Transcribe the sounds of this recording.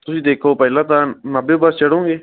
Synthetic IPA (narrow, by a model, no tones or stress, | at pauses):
t̪ʊsĩːd̪eːkʰoːpəːlãːt̪ãːnəbẽːbət͡ʃəɽõːɡeː